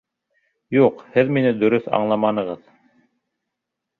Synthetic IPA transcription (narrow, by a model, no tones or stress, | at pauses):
juqhɘðminɘd̪ɵ̆ɾɵθɑ̰ɴlˠɑmɑnɤ̆ʁɤð